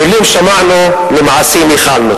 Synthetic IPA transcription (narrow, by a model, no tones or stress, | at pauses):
ʊlːiːmʃamaʕnu | lɪmʕasiːmixaːlnʊ